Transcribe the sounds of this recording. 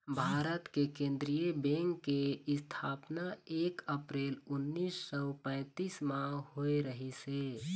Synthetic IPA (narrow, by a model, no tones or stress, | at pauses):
bʱaːɾət̪kekẽːnd̪ɾijəbẽŋkːeɪst̪ʰaːpnaeːkəpɾeːlʊnːiːsːɔpɛ̃ːt̪iːsmãhoeɾəɦise